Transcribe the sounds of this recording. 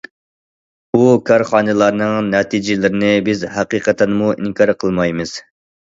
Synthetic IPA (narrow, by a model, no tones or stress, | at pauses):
bukʰɑɾχɑːnɨlˠɑɾnɨŋnɛt̪ʰid͡ʒɪlɪɾɪnɪbɪzɦæqiqət̪ʰɛnmuʔḭŋkʰɑɾqʰəlˠmɑjmɨz̥